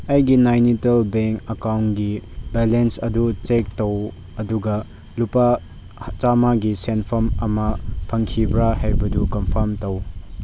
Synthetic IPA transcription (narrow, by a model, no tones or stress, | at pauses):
ɐjɡinajnitelbeŋkɐkawnɡibelensɐ̰dut͡ʃek̚tɐw | ɐduɡɐ | lupa | t͡ʃamaɡisenpʰɐmɐmɐpʰɐŋkʰibɾaɦajbɐdukɐmpʰɐɾmtɐw